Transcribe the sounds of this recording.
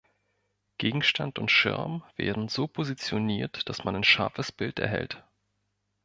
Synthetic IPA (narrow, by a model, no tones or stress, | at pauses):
ɡ̥eːɡŋ̩ʃtʰantʊntʃɪ̰ɐmv̥ḛːɐdn̩zoːpʰozit͡sjoniːɐtd̥asmanaɪnʃaɐfəsb̥ɪltɛ̰ɐɦɛ̰lt